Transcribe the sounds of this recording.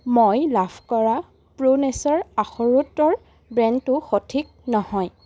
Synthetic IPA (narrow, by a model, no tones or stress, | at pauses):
mojlabʰʱkɔɹa | pɹonɛsɔɹaxɔɹutɔɹ | bɹɛntʊxotʰik̚nɔhɔj